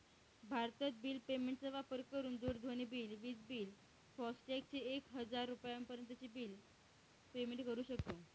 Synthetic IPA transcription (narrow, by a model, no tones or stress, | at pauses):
bʱaɾt̪ət͡s̪biːlpemeɳʈt͡səʋapəɾkəɾuːnd̪oːɾd̪ʱoniːbiːlʋiːt͡sbiːl | fɔsʈek̚t͡ɕeekɦəd͡zaɾːupjampəɾjənt̪ət͡ɕiːbiːl | pemeɳʈkəɾuːɕək̚t̪o